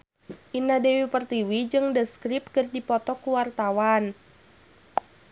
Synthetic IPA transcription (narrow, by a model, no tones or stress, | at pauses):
ʔinadewipərt̪iwid͡ʒɨŋdəskɾip̚kɨrdipɔt̪ɔkuwart̪awan